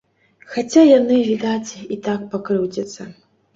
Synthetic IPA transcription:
xat͡sʲʰajanɨvʲidatʲʰitʰak̚pʰɐkrɨwdɐt͡sʰʼɐ

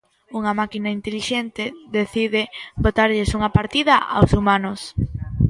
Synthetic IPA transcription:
uŋɐmakinaint̪eliʃent̪ɪðeθiðɪbot̪aɾʎɪsuŋɐpaɾt̪iðɐʔa̰wsumanʊs

